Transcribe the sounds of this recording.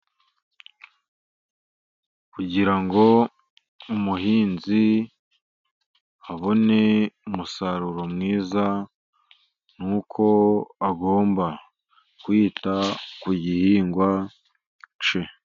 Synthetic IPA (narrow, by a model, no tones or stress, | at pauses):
kuɟiɾaŋɡo̞ | umuɦiːnzi | aβo̞ne̞umusaɾuɾo̞mŋiːza | nuːkʰo̞aɡo̞ːmba | kwiːtakuɟihiːŋɡwa | t͡ʃe